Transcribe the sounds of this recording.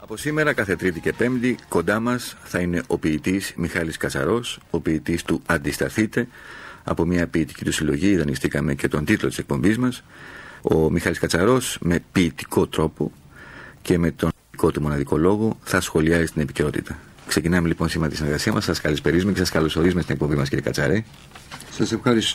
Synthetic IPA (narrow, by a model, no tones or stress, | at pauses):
ɐposime̞ɾɐkɐθe̞t̪ɾit̪ice̞pe̞md̪iko̞nd̪ɐmɐsθɐine̞ʔo̞piːt̪izmixɐliskɐt͡sɐ̰ɾo̞so̞piːt̪ist̪uɐnd̪ist̪ɐθit̪e̞ | ɐ̰po̞mɲɐpiːt̪i̥cit̪usilo̞ʝiðɐnist̪ikɐme̞ce̞t̪o̞nd̪it̪lot̪ise̞k̚po̞mbizmɐso̞mixɐliskɐt͡sɐɾo̞sme̞piːt̪i̥ko̞t̪ɾo̞po̞ | ce̞me̞t̪o̞n | iko̞t̪umo̞nɐðiko̞lo̞ɣo̞θɐsxo̞liɐzist̪ine̞pice̞o̞t̪ḭt̪ɐ | kse̞cinɐme̞lipo̞nsimeɾɐt̪isineɾɣɐsiɐmɐsɐskɐlispe̞ɾizumece̞sɐskɐlo̞so̞ɾizumest̪inekpo̞mbimɐsciɾiekɐt͡sɐ̰ɾe | sɐsefɐɾis